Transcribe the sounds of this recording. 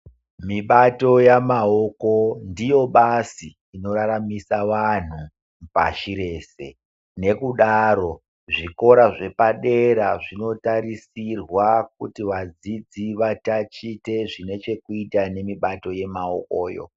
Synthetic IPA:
miɓato̞jamaoko̞ndijo̞ɓasiːno̞ɾaɾamisaʋan̤u | pa̰ʃiɾe̞ːse̞̰ | ne̞kuɗaɾo̞ | ʐiko̞ɾaʐe̞paɗe̞ɾaʐino̞taɾisirwak̚utiʋad͡zid͡ziʋatat͡ʃite̞ʐine̞t͡ʃe̞kuitane̞miɓato̞je̞mao̰ko̰ːjo̞̰

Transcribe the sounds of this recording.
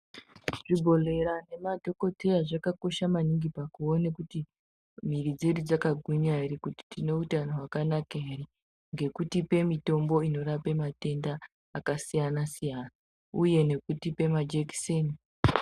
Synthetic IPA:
ʐ̥ibʱo̞le̞ɾane̞madʱo̞ko̞te̞jaʐakako̞ʃamaniŋɡipakuonekuti | m̤irid͡zerid͡zakaɡʱuɲarikuti̥tine̞utanoɦwakanakeere | ŋɡe̞kutipe̞mito̞mbo̞ino̞ɾapemate̞ndaː | kasijanasijana | uje̞ne̞kutipe̞mad͡ʒekseni

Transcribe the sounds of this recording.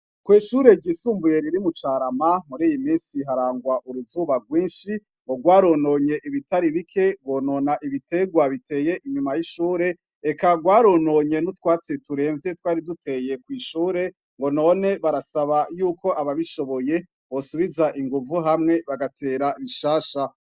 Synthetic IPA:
kwiːʃuːɾe̞ɟiːsuːmbujeɾiɾimut͡ʃaːɾamamuɾiːjimiːnsiɦaɾaːŋɡwaʔuɾuzuβaɡwiːnʃi | ŋɡo̞ɡwaːɾonoɲe̞ʔiβitaɾiβikʰe̞ɡwo̞ːnonaʔiβite̞ɡwaβite̞ːje̞ʔiɲumajiʃuːɾe̞ | ekaɡwaːɾono̞ɲe̞nutkwaːt͡setuɾe̞ːɱve̞twaːɾidute̞je̞kwiːʃuːɾe̞ | ŋɡo̞no̞ne̞βaɾasaβajuːko̞ʔaβaβiʃo̞βo̞je̞ | βo̞suβizaʔiŋɡuvuɦamŋe̞βaɡatʰe̞ːɾaiβiʃaːʃa

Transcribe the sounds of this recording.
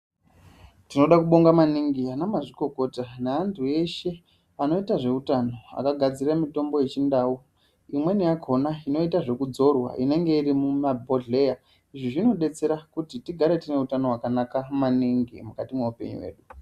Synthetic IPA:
tino̞ɗakuɓo̞ŋɡamaniŋɡianamaʐiko̞ko̞tanaːntʰue̞ʃe̞ | ano̞itaʐe̞utano̞a̰kaɡʱad͡ziramito̞mbo̞je̞t͡ʃindaːu | imwe̞nijakʰo̞naino̞itaʐe̞kud͡zo̞rwa̰ʔine̞ŋɡe̞iɾimumabʱo̞ɮe̞ja | iʐiʐino̞ɗe̞t͡se̞ɾakutitiɡʱaɾe̞tine̞utano̞ɦwakanakamaniŋɡḭmukatimweupe̞̰ɲṵwḛːɗu

